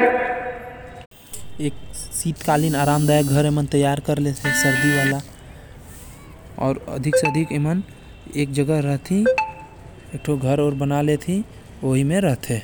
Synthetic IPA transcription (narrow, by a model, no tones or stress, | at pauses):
eːk̚siːt̪kalinaːɾamd̪ajək̚ɡʱəɾemənt̪əjaɾkəɾlet̪ʰesəɾd̪iʋala | ɔ̰ːɾə̰d̪ʱikseəd̪ʱikemən | ek̚d͡ʒəɡəɾəɦt̪ʰĩ | ek̚ʈʰoɡʱəɾoːɾbənalet̪ʰĩ | oɦimeɾəɦt̪ʰe